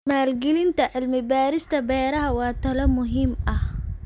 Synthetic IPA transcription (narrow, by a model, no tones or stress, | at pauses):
maːlɡɪlɪnt̪ʰɐʕɪlmɪbaːɾɪst̪ʰɐbɛːɾɐɦɐwɑːt̪ʰɐlɐmʊɦɪmɐh